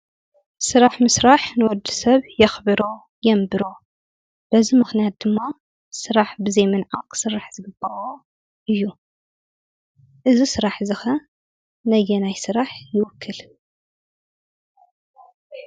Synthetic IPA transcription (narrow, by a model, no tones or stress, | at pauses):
sɨɾaħmɨsɾaħnɨwɔd̪ːɨ̥sɐβjɐxbɨɾo̞ | jɛmbɨɾo̞ | b̥ɐzimɨxnijat̪̚d̪ɨmːa | sɨɾaħbɨzɐjmɨnʕakʰsɨɾːaħz̥ɨɡɨbɐwo | ʔɨjːu | ʔɨzisɨɾaħzɨxɐ | nɐjɛnajsɨɾaħjɪwʊkʰːɨl